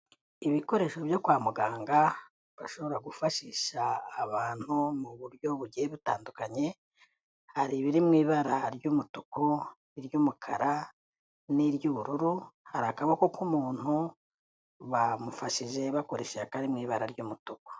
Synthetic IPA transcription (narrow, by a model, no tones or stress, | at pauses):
iβiko̞ɾe̞ːʃo̞βjo̞kwaːmuɡaːŋɡa | βaʃo̞βo̞ɾaɡufaʃiʃaːβaːn̥humuβuɾjo̞βuɟieβutaːndukaɲe̞ | haɾiβiɾimŋiːβaɾaɾjumutu̥ko | iɾjumukʰaɾa | niɾjuːβuɾuɾuhaɾiakaβako̞kumuːn̥hu | βamufaʃiʒe̞βako̞ɾe̞ʃeakaɾimŋiːβaɾaɾɟumutuko̥